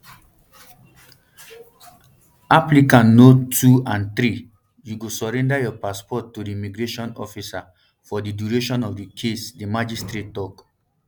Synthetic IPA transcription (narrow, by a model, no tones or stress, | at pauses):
aplikãnnotːuãnt̪ɾi | juɡosɔɹɛ̃ndajɔpaspɔtːudimiɡɹeʃɔ̃nɔ̰fisa | fɔdiduɹeʃɔ̃nɔfdikʰesdimad͡ʒistɹetːɔk